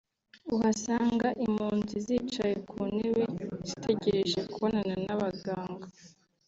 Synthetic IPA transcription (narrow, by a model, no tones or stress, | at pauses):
uhasaːŋɡaʔimuːnzizit͡ʃaje̞kʰuːnewez̥itʰe̞ɟeɾe̞ʒe̞kuβonananaβaɡaːŋɡa